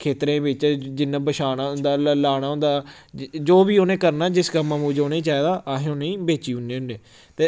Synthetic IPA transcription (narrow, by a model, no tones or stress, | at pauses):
kʰeːt̪ɾẽːbɪt͡ʃd͡ʒɪnːãːbəʃaːnaːɦʊnd̪aːlaːñãːɦʊ̃nd̪aː | d͡ʒoːbiːoːnẽːkəɾnaːd͡ʒɪskəmːãːmũːd͡ʒoːnẽiːt͡ʃaːiːd̪aːʔaɦẽːʊneĩːbeːt͡ʃiːʊneːʊnːeː | t̪eː